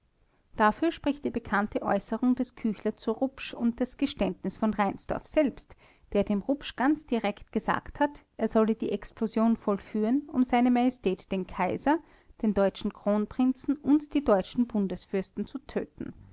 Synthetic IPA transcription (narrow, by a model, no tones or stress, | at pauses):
d̥afyːɐʃpʁ̥ɪçt̚d̥iːbəkʰantəʔɔ̰ʏsəʁʊŋdɛskʰyːçlɐt͡suʁʊpʃʊnt̚d̥asɡ̥əʃtɛntnɪsfɔnʁaɪnsd̥ɔ̰ɐfz̥ɛlpst | d̥eːɐdeːmʁʊpʃɡ̥ant͡sd̥iʁɛktɡ̥əza̰ːkthatʔeːɐzɔlədiːʔɛksplozjoːnfɔlfyːʁənʊ̰mzaɪnəmajɛstʰɛːtd̥eːnkʰaɪzɐ | d̥eːndɔʏt͡ʃn̩kʁ̥oːnpʁ̥ɪnt͡sn̩ʔʊntd̥iːdɔʏt͡ʃn̩bʊndəsfʏɐstn̩t͡sutʰø̰ːtn̩